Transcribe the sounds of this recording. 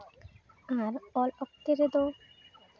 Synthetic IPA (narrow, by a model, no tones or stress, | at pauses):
aɾɔlɔkt̪eɾed̪o